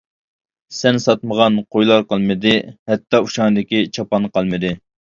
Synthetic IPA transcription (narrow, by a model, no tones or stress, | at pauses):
sɛnsɑt̪məʁɑnqʰojlˠɑɾqəlˠmɨd̪ɪhɛt̪ːɑuʃɑŋɨd̪ɪkʲit͡ʃʰɑpɑnqɑlˠmɨd̪ɪ